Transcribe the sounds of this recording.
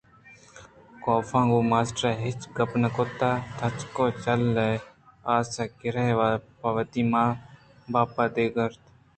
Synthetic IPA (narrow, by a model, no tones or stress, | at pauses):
koːfãːɡoːmaːsʈɾaːɦɪt͡ʃɡəpnəkot̪aːt̪ʰɐt͡ʃkoːt͡ʃəlːeaːsaːkɪɾeʋaːpɐʋət̪iːmãː | baːpaːd̪eːɡəɾt̪